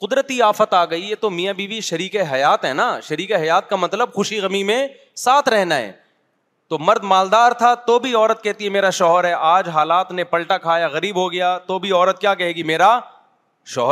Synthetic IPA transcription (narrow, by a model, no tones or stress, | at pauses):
qʊd̪ɾət̪iaːfət̪aːɡɐiet̪omijãbʱiːbiʃɐɾiːkeɦɐjaːt̪ɦɛːnaʃɐɾiːkeɦɐjaːt̪̚kamɐt̪ləbxʊʃiɣɐmimẽ | saːt̪ʰɾɛɦnaɦɛ̰ː | t̪omɐɾd̪maːld̪aːɾt̪ʰat̪obʱiɔːɾət̪̚kɛɦt̪iɦɛmeːɾaʃɔːɦəɾɦɛʔaːd͡ʒɦaːlaːt̪nẽpɐlʈakʰaːjaɣɐɾiːbɦoɡɐjaːt̪obʱiɔːɾət̪̚kjaːkɛɦeːɡimeːɾa | ʃɔːɦɾ